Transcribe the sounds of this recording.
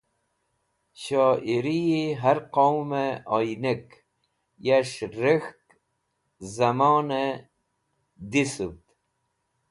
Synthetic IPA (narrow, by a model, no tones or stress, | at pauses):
ɕoːiɾijiɦaɾqowmeojnek | jaʂɾixk | zamoːne | d̪isubt̪